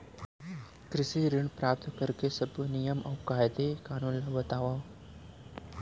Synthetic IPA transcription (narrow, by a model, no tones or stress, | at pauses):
kɾɪsiɾɪɳpɾaːp̚t̪kəɾkesɐbʱnijəmɐwkaːjd̪ekaːnunlɐʋɐt̪aːʋa